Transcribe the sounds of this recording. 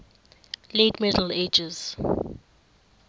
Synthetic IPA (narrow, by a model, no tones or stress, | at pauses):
letmɛdəl̩ed͡ʒɛz̥